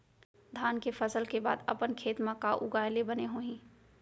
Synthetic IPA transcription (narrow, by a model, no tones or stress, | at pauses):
d̪ʱaːnkefʰəsəlkeba̰ːd̪ə̰pənkʰeːt̪mãkaʔʊ̰ɡaːjlebəneɦoːĩː